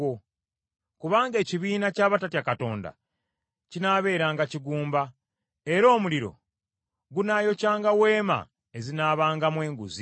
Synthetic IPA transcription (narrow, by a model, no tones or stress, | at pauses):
o | kuβaːŋɡe̞ːciβiːnacaːβatatjakato̞̰ːnda̰ | cinaβe̞ːɾaːŋɡaciɡuːmba | e̞ɾo̞ːmuliɾo̞̰ | ɡunajo̞caːŋɡawe̞ːma̰ | e̞zinaːβaːŋɡamwe̞ːŋɡuzi